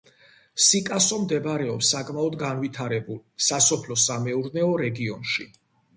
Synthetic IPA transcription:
sikʼasɔmd̪ɛbɾɛɔpsakʼmaɔd̪ɡanvit̪ʰaɾɛbulˠsasɔpʰlɔsamɛuɾnɛɔɾɛɡiɔnʃi

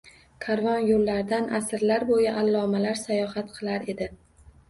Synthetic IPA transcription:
kʰaɾvɒnjolːaɾd̪anʔasɪɾlaɾbojaʔalˠːɒmalaɾsajɒhat̪qʰɨlˠaɾe̞d̪ɪ

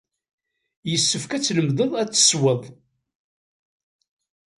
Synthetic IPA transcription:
jəsːəfkæt͡sːləmðəðˤæt͡sːə̥swəðˤ

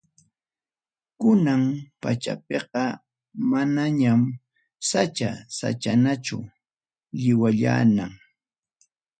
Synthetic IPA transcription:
kʊnampat͡ʃa̰p̚eqɑ | manaɲam | sat͡ʃa̰sa̰t͡ʃanat͡ʃʊ̰ | ʎɪwaʎa̰ːnaŋ

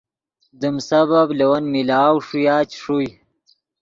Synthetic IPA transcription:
d̪umsɐbablewɐnmilaːwʂujaːt͡ɕʂuj

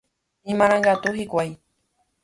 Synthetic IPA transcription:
ĩmãɾ̃ãŋɡat̪uhikʷaj

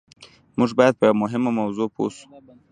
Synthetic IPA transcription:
muʒbɑjad̪̚pəjwmʊɦɪmomawzopʰo̰su̥

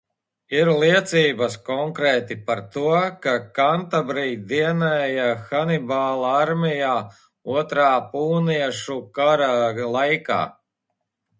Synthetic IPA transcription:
iɾlˠiɛt̪siːbaskɔŋkɾɛːt̪ipaɾt̪uɔkakant̪abɾijd̪iɛnɛjaxanibaːlˠaaɾmijaː | uɔt̪ɾaːpuːniɛʃukaɾalˠajka̰ː

